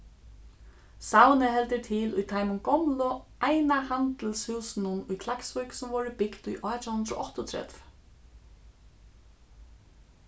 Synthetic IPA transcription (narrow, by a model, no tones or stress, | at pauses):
sawnɪɦɛlt̪ɪt̪ʰɪlujt̪ʰaːjmʊmɡɔmlɔajnahant̪əlshuːsnʊnujkʰlaksvʊjksʊmvɔɹɪbɪkd̪ujʔɔːt̪ʰawhʉnd̪ɾɔ̰ʔɔht̪ʊɔt̪ʰɾɛ̰t̪v